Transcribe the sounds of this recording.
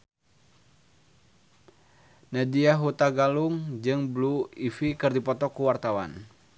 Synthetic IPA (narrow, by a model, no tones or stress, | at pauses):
nadiaɦut̪aɡaluŋd͡ʒɨŋbluifikɨrdipɔt̪ɔkuwart̪awa̰n